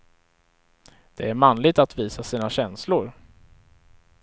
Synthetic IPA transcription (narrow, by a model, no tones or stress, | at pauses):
d̪̥ɛæɾmanlɪɡ̚t̪at̪viːsasiːnaɕɛnslʊɾ